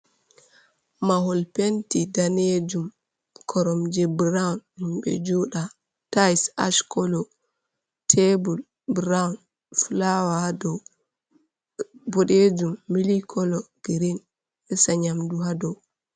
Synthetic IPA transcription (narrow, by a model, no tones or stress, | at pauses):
maɦɔlpentidaned͡ʒum | kʰɔɾɔmd͡ʒɛbɾanhimɓɛ̰d͡ʒuɗa | tajsa̰ʃkɔlɔ | tʰebul | bɾan | flawadɔw | bɔɗed͡ʒumːilikʰɔlɔɡ̥iɾin | ɛsaɲamduɦadɔw